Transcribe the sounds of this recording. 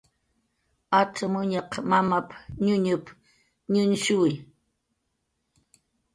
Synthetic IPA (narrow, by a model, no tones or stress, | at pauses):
at͡samʊɲaqmamapɲʊɲʊp | ɲʊnʃʊɪ